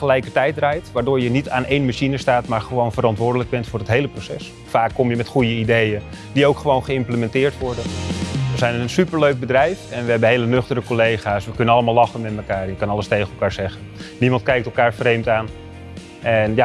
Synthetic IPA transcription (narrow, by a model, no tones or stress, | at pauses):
χəlɛjkəɹtɛjtrɛjtʋaːɹdʊːɹjənitaːnʔejnmaʃinəstaːtmaːɹχəʋownvəɾɑntʋʊːɹdələɡ̚bɛntfʊːrətɦejləprosɛs | faːkːɔmjəmɛtχujəidejən | diowkχəʋownχəɪmpləmɛntɪːɹtʋɔɹdənʋəzɛjnəənsypəɹløɥk̚bədrɛjfɛnʋəɦɛbəɦejlənøχtəɾəkolejχaːsʋəkɵnənɑləmaːlˠlɑχənmɛtməkaːɹɛjəkɑnɑləstejχəɛlˠkaːɹzɛχənnimɑnt̚kɛjk̚tɛlˠkaːɹfrejmtaːn | ʔɛnja